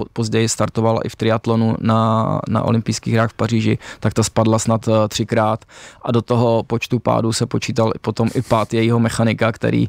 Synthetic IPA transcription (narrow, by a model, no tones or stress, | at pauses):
pozɟɛjɪst̪aɾt̪ovala̰ʔɪft̪ɾɪat̪lonunana̰ʔo̰lɪmpijskiːɣɦɾaːxfpariːʒɪt̪akt̪aspadlasnat̪t̪r̝̥ɪkɾaːt̪ʔado̞t̪oɦo̞po̞t͡ʃt̪upa̰ːdusɛpot͡ʃiːt̪alɪpo̞t̪o̞mʔɪpaːt̪jɛjiɦomɛxanɪkakt̪ɛ̰ɾḭː